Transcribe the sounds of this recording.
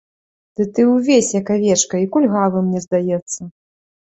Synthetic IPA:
d̪̥ɨt̪ɨwvʲesʲjɐkavʲɛt͡ʂkɐikulʲɣavˠɨmnʲɛzd̪ajɛt̪sːɐ

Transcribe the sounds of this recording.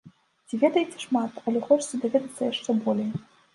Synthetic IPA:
t͡sʲivʲɛd̪ɐjet͡sʲɛ̥ʂmat̪ɐlʲɛxɔt͡ʂt͡sʲɛd̪avʲɛd̪ɐt̪sːɐjaʂt͡ʂɛbɔlʲejɛ

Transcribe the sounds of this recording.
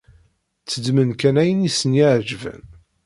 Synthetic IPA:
t͡sːəd̪mənkænæjənisənjiʕd͡ʒvæ̰n

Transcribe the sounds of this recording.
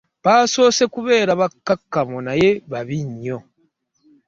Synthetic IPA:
βaːso̞ːse̞kuβe̞ːɾaβakːakːamonaje̞βaβiɲːo

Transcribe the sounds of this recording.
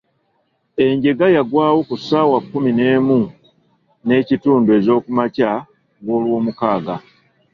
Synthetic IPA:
e̞ɲɟe̞ɡajaɡwaːwokusawakːumine̞ːmu | ne̞ːcituːndue̞ːzo̞ːkumaca | ɡo̞ːlwo̞ːmukaːɡa

